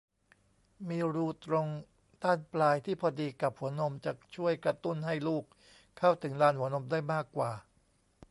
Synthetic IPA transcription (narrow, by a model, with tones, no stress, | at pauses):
miː˧ɾuː˧t̪ɾo˧ŋ | t̪aː˥˩nplaː˧jt̪ʰiː˥˩pʰɔː˧diː˧ka˨˩p̚hu˩˦ɐəno˧mt͡ɕa˨˩k̚t͡ɕʰu˥˩əjkɾa˧t̪u˥˩nɦa˥˩jluː˥˩k̚ʰː | a˥˩wt̪ʰɯ˩˦ŋlaː˧nhu˩˦əno˧mdaː˥˩jmaː˥˩kːwaː˨˩